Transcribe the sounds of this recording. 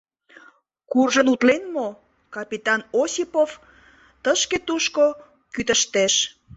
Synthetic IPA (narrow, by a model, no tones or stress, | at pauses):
kurʒənut̪lenmo | kɑpʲit̪ɑnosipof | t̪əʃket̪uʃko | kyt̪əʃt̪eʃ